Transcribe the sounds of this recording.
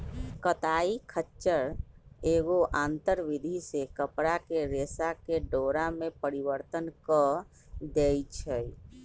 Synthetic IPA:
kət̪aikʰətːt͡ʃəɾeɡoʔãnt̪əɾʋid̪ʱisekəpɽakeɾesakeɖoɾamepəɾiʋəɾt̪ənkə | d̪ejt͡ʃʰəj

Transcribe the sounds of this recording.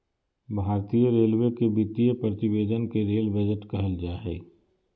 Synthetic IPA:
bʱaːɾt̪ijəɾeːlwekebit̪ijəpɾət̪ɪʋeːd̪ənkeɾeːlbed͡ʒəʈkɐɦəld͡ʒaːɦɛː

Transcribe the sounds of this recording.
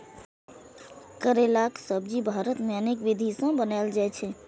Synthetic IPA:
kəɾelaksəb̚d͡ʒibʱaɾət̪meənekʋid̪ʱisə̃bənald͡ʒajt͡ʃʰɛ

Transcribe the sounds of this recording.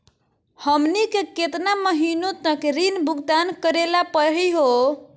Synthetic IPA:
həmnikeket̪naməɦinot̪əkɾinbʱuɡd̪ankəɾelapəɦiɦo

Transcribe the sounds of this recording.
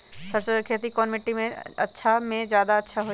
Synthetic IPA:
səɾsəkʰeːt̪ikɔːnmɪʈːimẽɐ̰tːʃʰamẽd͡ʒjaːd̪aɐtːʃʰaɦoː

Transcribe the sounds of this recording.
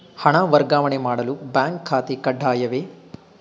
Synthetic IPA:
hɐɳaʋɐɾɡaːʋɐɳemaːɽɐlubjaːŋkʰːaːt̪ekɐɖʱːaːjɐʋeː

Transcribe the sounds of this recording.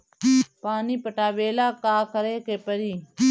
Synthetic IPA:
paːniːpəʈaːʋeːlaːkaːkəɾeːkeːpəɾiː

